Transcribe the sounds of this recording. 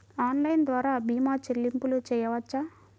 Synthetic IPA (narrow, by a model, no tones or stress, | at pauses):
aːnlɐjnd̪ʋaːɾaːbiːmaːt͡ʃelːimpulut͡ʃɛːjɐʋɐt͡ʃːaː